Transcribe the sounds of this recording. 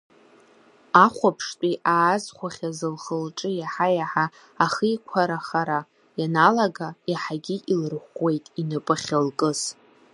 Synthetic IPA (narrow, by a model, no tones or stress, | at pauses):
aχʷapʰʂtʼiʔaːzχʷaχʲazɨlχəlʈ͡ʂʼɨjaħajaħaː | χəikʷʰaɾaχaɾa | janalaɡaiħaɡʲiʔilɨrχwe̞jtʼinɨpʼaχʲalkʼɨz̥